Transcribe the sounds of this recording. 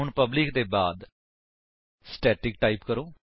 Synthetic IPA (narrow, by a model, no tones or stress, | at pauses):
ʊɳpəblɪk̚d̪eːbaːd̪ | sʈɛːʈɪk̚ʈaːiːpkəɾõː